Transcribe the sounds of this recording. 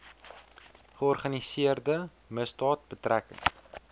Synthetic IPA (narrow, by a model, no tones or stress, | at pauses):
χəɔrχɐnisiərdə | məsdɑːt̚bətrækə̰ŋ